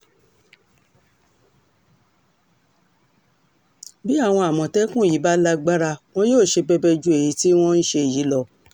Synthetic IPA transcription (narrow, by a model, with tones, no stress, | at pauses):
bi˦a˦˨w̃ɔ̃˧a˨mɔ̃˨tɛ˦kũ˦˨ji˨˦ba˦la˦ɡ͡ba˦ɾa˧w̃ɔ̃˦joː˦˨ʃe˧bɛ˧bɛ˧d͡ʒu˦e˨ji˨˧˦ti˦w̃ɔ̃˦n̩˦ʃe˧˨ji˨˦lɔ˧